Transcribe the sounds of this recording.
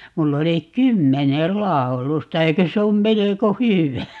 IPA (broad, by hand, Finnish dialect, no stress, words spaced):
mulː oli kymːenel lɑˑu̞lustɑ eikø se om meleko hyʋæ